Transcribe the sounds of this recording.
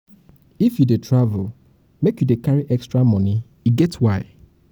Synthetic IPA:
ifjudetʰɹavul | mekjudekaɹiʔɛkstɹamɔ̃ni | iɡɛtwaɪ

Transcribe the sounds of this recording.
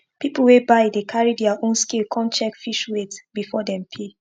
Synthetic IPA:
pipul̩webaɪdekʰaɹidɛaʔõnskilkʰɔ̃nt͡ʃɛkfiʃwetbifɔdɛ̃mpʰe

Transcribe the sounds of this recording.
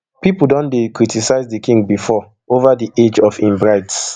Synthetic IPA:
pipul̩ˠdɔ̃ndekɹitisaɪzdəkʰĩŋɡbifɔ | ovadiʔed͡ʒɔfĩmbɹaɪts

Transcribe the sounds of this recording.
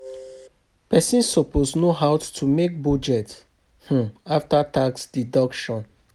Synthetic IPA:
pɛsĩnsɔposnoɦawtʰumek̚bɔd͡ʒɛt | h̩aftataksdidɔkʃɔ̃n

